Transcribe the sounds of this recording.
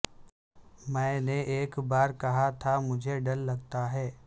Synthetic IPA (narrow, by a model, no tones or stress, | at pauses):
mɛ̃ːneʔeːkbaːɾkɐɦat̪ʰamʊd͡ʒʱeɖɐlːɐɡt̪aɦɛː